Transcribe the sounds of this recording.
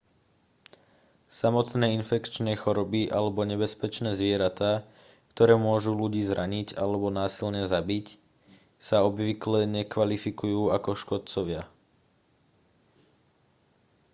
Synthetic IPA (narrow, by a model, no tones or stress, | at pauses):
samɔt̪nɛːinfɛkt͡ʃnɛːxɔɾɔbiʔalɛbɔɲɛbɛspɛt͡ʃnɛːzʋɪɛɾat̪aː | kt̪ɔɾɛːmʊɔʒuluɟiːzɾaɲiɟalɛbɔnaːsilɲɛzabic | saɔbʋiklɛɲɛkʋalifikujuːakɔʃkɔt̪t͡sɔʋɪa